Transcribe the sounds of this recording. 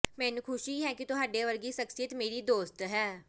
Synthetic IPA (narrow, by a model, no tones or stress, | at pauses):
mɛ̃ːnũkʰʊʃiːɦɛːkit̪ʊɦaːɖeːʋəɾɡiːʃəksɪjət̪meːɾiːd̪oːst̪ɦɛː